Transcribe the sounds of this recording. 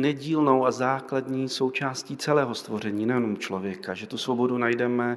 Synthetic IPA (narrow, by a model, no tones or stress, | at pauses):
nɛɟiːlno̞wazaːkladɲiːso̞wt͡ʃaːsciːt͡sɛlɛːɦo̞st̪vo̞ɾ̝ɛɲiːnɛjɛnomt͡ʃlo̞vjɛkaʒɛt̪usvo̞bo̞dunajdɛmɛ